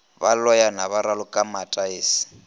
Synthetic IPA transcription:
balɔjanaβaɾalʊkʼamatʼaeːsi̥

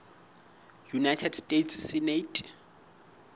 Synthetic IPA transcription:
junajtʰɛdstʼetʰssinetʼ

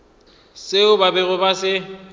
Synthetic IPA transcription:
sɪʊbabɛɣʊbasɪ

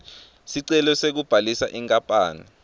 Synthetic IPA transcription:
siǀɛlɔsek̬ub̥ʱalisaʔɛŋkʼapʼaːni

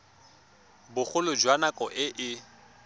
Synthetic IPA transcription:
bʊχʰʊlʊd͡ʒwanakʼɔʔɪʔɪ

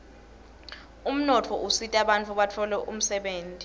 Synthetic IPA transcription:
um̩nɔtʰɔʔusitʼaɓant͡fʰuɓatʰɔlɛʔum̩sɛɓeːntʼi̥

